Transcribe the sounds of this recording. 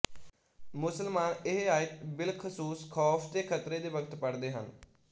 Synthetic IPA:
mʊsəlmaːnɪɦaːɪt̪bɪlkʰəsuːskʰɔːfʰt̪eːkʰət̪ɾeːd̪eːʋəɡt̪pəɽd̪eːɦə̰n

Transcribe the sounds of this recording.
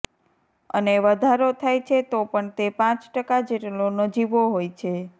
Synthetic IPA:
ə̰neʋəd̪ʱaɾot̪ʰajt͡ʃʰet̪opəɳt̪epãt͡ʃʈəkad͡ʒeʈnonəd͡ʒiʋoɦojt͡ʃʰe

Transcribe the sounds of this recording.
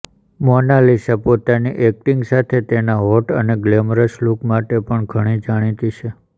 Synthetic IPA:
mɔnalisapot̪aniʔɛk̚ʈiŋɡsat̪ʰet̪enaɦɔʈəneɡlemɾəʃlukmaʈepəɳɡʱəɽ̃id͡ʒaɽ̃it̪it͡ʃʰe

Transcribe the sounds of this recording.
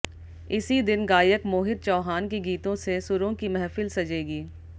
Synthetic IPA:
ɪsid̪ɪnɡaːjəkmoːɦɪd̪̚t͡ʃɔːɦaːnkiɡiːt̪õsesʊɾõkimɛɦfɪlsɐd͡ʒeːɡiː

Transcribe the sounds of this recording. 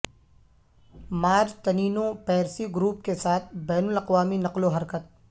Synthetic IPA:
maːd͡ʒt̪ɐniːnõpɛːɾsiɡɾuːpkesaːt̪ʰbɛːnʊlɐqʋaːminɐqloɦɐɾkət̪̚

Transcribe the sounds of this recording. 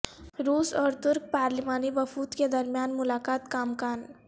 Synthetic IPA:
ɾuːsɔɾt̪ʊɾk̚paːɾlimanibəfuːt̪ked̪əɾmjanmulakat̪kaːmkan

